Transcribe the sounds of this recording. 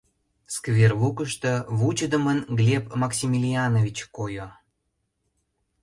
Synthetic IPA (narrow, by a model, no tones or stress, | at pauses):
skvʲerβukəʃt̪əβut͡ɕəd̪əmənɡlʲepmɑksʲimʲilʲiɑnovʲit͡ɕkojo